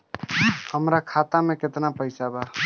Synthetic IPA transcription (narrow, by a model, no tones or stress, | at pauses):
həmɾakʰat̪amẽket̪napəɪsaba